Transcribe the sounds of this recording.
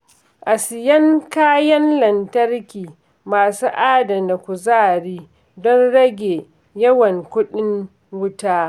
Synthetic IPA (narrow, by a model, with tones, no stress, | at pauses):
ʔa˨sɪ˨jɐ˦ŋkaː˦jɐ˦nlɐ˨ntɐ˦rkʲiː˨ | maː˨suː˦ʔaː˦dɐ˨mda˨kʷu˨zaː˦˨ɽiː˦ | dɔ˦nɽɐ˦ɡʲeː˨ | jɐ˦wɐ˨ŋkʷʊ˦ɗɪ˦ŋ | wʊ˦taː˦